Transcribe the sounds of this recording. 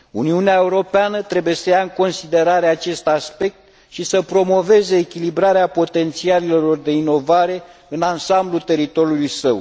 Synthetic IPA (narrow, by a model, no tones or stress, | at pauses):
uniuneae̞uɾo̞peanət̪ɾe̞buje̞səjaɨŋko̞nsid̪e̞ɾaɾe̞at͡ʃe̞st̪aspe̞k̚t̪ | ʃisəpɾo̞mo̞ve̞ze̞ːkʲilibɾaɾeapo̞t̪e̞nt̪sialilelo̞rd̪e̞ino̞vaɾe̞ɨnansamblult̪e̞ɾit̪o̞ɾjulujsəw